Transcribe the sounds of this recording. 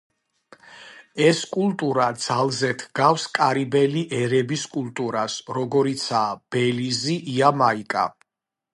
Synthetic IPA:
ɛskʼulˠt̪ʼuɾad̪z̥alˠzɛt̪ʰɡafskʼaɾibɛliʔɛɾɛbiskʼult̪ʼuɾasɾɔɡɔɾit̪sʰaːb̥ɛliziʔiamaikʼa̰

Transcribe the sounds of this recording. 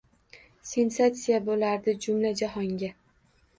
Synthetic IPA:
se̞nsat̪sijabolaɾd̪ɪd͡ʒʊmlad͡ʒaɦɒŋɡʲa

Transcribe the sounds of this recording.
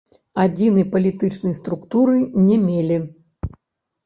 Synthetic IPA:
ad͡zʲinɨjpɐlʲit̪ɨt͡ʂnɨjst̪ɾukt̪uɾɨnʲɛmʲelʲi

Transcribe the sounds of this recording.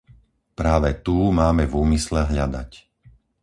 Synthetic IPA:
pɾaːʋɛt̪uːmaːmɛvuːmislɛɦʎad̪a̰c

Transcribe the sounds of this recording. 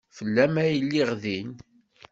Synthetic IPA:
fəlːæmæjəlːiʁðin

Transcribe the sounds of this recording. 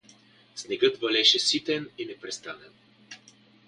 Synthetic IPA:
snɛɡɤt̪vɐlɛʃɛsit̪ɛninɛpɾɛst̪anɛn

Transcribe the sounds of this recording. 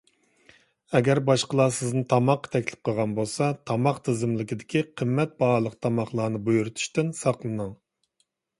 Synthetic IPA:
ɛɡʲɛɾbɑʃqəlˠɑsɪznɨt̪ʰɑmɑqːɑ̥t̪ʰɛkʲlɪ̥p̚qʰəʁɑnbolˠsɑt̪ʰɑmɑqt̪ʰɨzɪmlɪkʲid̪ɪkʲʰiqʰəmːɛt̪̚bɑɾlˠəqt̪ʰɑmɑχlˠɑːnɨbujuɾut̪ʰu̥ʃt̪ɪnsɑqlˠɨnɨŋ

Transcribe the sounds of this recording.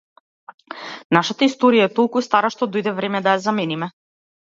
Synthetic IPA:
naʃat̪aist̪ɔɾijat̪olˠkust̪aɾaʃt̪ɔd̪ojd̪ɛvɾɛmɛd̪ajazamɛnimɛ

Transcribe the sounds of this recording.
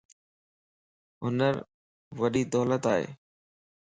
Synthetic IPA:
ɦʊnəɾ | ʋəɗiːd̪ɔːlət̪aːɦḛː

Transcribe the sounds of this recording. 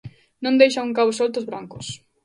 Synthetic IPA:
nõnd̪ejʃaŋuŋkaβʊsolt̪ʊzβɾaŋkʊs

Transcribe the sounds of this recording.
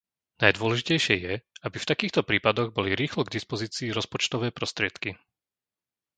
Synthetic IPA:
najd̪ʊɔlɛʒicɛjʃɪɛjɛabift̪akiːxt̪ɔpɾiːpad̪ɔɣbɔliɾiːxlɔɡd̪ispɔziːt͡siːɾɔspɔt͡ʃt̪ɔʋɛːpɾɔst̪ɾɪɛt̪ki

